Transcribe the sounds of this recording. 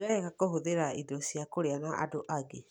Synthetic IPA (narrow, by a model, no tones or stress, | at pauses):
aɛɣakoɦoðeɾaidɔsiakoɾeanaʔa̰doʔaɡe